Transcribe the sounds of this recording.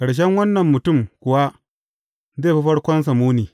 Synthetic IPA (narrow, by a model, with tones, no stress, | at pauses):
kɐ˨ɽʃ̬ɛ˦ŋwɐ˦nːɐ˨mːʊ˨tʊ˦˨mkʷʊ˨wa˦ | zeː˦˨ɸi˦ɸɐ˦ɽkʷɔ˦ns̬ɐ˨muː˦niː˨